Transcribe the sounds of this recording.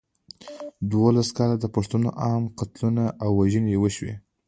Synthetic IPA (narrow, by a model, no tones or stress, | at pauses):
d̪wolaskɑlad̪əpaʂt̪uno̰ʔɑmqat̪lunaʔawːaʒənejewəʃwḛ